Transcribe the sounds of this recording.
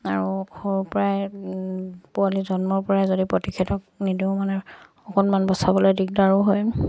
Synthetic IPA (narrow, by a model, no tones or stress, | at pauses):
aɹuhoɹpɔɹaj | pualizɔnmɔɹpɔɹajzodipɹotikʰitɔk̚nidiʊmanɛ | ɔkɔnmanbɔsabɔlojdik̚daɹuɦoj